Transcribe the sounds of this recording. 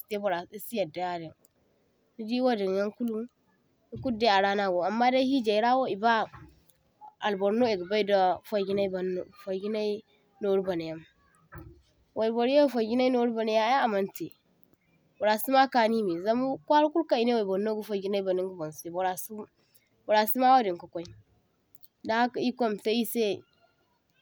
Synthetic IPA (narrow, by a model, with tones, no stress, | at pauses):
ste˦bo˨ɾa˨si˦si˦ja˨da˨ja˦di˨n | ni˦di˦wa˦di˨nja˦ŋku˦lu˦ | i˦ku˦de˦a˨ɾa˦na˦ɡo˨a˨mːa˦da˦hi˦d͡ʒa˨i˦ɾa˦wo˦i˨ba˦ | a˨lbo˨ɾno˦e˨ɡba˦i˦da˨fa˦ɡʲi˦na˦i˦ba˨n˦˨fa˨ɡi˦na˦i˦ | no˨˦ɾba˨na˨ja˦m | wʔa˨bo˨ɾa˦fa˨ɡʲi˦na˦i˦no˨˦ɾba˨na˨ja˦ja˦a˨ma˦nte˨ | bo˨ɾa˨si˦ma˦ka˨ni˦mi˨za˨˦m˦kʷa˦ɾku˦lka˨i˨ne˦wa˨i˨bo˨ɾno˦ɡu˦fa˨ɡi˦na˦i˦ba˨ni˦ŋɡu˦bo˨n˨se˨bo˨ɾa˨su˦ | bo˨ɾa˨si˦ma˦wa˦di˨ŋku˨kʷa˦i˦ | da˦a˦ka˨i˦kʷo˦˨mta˦i˦se˦